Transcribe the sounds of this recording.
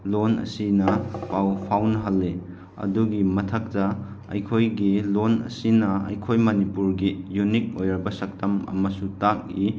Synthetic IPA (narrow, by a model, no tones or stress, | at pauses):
lonɐ̰sinɐpawpʰawnɦɐlːe | ɐ̰duɡimɐtʰɐk̚tɐ | ɐ̰jkʰojɡilonɐ̰sinɐɐ̰jkʰojmɐnipuɾɡijunik̚ojɾɐɾbɐsɐk̚tɐmɐ̰mɐsutak̚i